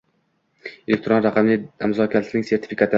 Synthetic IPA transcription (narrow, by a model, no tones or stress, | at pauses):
elek̚ʲt̪ɾonɾaqʰɑmlɪamzɒkʲʰat̪nɪŋse̞ɾt̪ʰɪ̥fikʰat̪ʰɪ